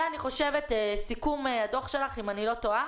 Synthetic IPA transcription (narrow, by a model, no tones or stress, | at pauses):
aniχo̞ʃevet̪esikumead̪o̞χʃe̞laχimanilo̞t̪oa